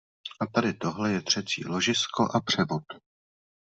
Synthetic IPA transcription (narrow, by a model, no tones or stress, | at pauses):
ʔat̪adɪt̪o̞ɦlɛjɛt̪r̝̥ɛt͡sḭːlo̞ʒɪsko̞ʔapr̥ɛvot̪